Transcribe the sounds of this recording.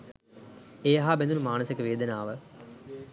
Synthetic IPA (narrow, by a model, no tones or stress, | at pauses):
eːɦaːbend̪unumaːnɐsikəʋeːd̪ənaːʋə